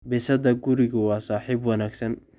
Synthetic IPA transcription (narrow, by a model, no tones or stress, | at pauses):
bɛsɐdɐɡʊɾɪɣʊwɑːsaːħiːbwɐnaːɡsɐn